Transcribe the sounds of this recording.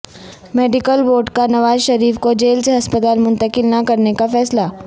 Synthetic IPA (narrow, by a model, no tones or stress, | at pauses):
meːɖɪkəlboːɾʈkanɐʋaːzʃɐɾiːfkod͡ʒeːlseɦɐspət̪aːlmʊ̃nt̪əkɪlnakɐɾnekafɛːsla